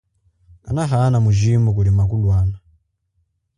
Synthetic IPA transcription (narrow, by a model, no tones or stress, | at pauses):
a̰naɦanamuʒimbukulimakulwaːna